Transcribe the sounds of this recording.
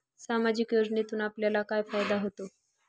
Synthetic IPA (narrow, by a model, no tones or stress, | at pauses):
samad͡ʑikjod͡ʑnit̪uːnapljalakajfajd̪aɦot̪o